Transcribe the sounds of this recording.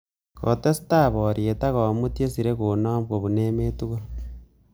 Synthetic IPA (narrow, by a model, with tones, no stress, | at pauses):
ko˨te˦si̥ta˦βoɾie˨ta˦ɣo˨mutjesiɾe˦kuno˦mbwo˨βuneːme˦tu˦ɣo